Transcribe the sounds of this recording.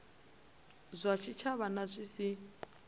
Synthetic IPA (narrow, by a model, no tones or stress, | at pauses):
zʷat͡ʃʰit͡ʃʰaβanazʷisi